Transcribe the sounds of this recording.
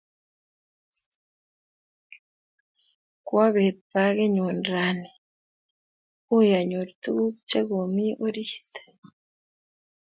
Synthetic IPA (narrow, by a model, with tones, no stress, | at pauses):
kwa˦βe˨t̪̚pa˦ɣe˦ɲo˨nɾa˦ne | o˦ja˨ɲo˨ɾit̪u˦βu˦kt͡ʃe˦ɣo˨mi˦ʔo˦ɾi˦hi̥te̥